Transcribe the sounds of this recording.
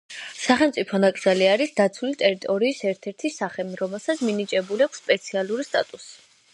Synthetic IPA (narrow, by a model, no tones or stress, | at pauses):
saχɛlmt̪sʼipʰɔnakʼzaliaɾisd̪at̪sʰwulit̪ʼɛɾit̪ʼɔɾiːsɛɾt̪ʰɛɾt̪ʰisaχɛmɾɔmɛlˠsat̪sʰminit͡ʃʼɛbuliakʷʰsːpʼɛt̪sʰialˠuɾist̪ʼa̰t̪ʼusi̥